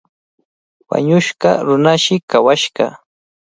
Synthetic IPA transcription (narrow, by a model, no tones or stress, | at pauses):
wa̰ɲʊʃɢɑɾʊnaʃɪkawaʃɢɑ̰